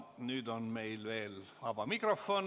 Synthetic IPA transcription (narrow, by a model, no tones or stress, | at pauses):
nyːd̪onme̞jlve̞ːlvɑb̥ɑmikrofːon